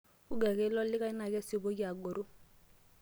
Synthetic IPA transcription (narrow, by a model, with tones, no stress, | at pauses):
u˦ɡɛ˨kɛ˦lɔ˦lɪ˦ka˦i˦na˨kɛ˦si˨bo˦ki˦a˨ɡo˨ɾo˦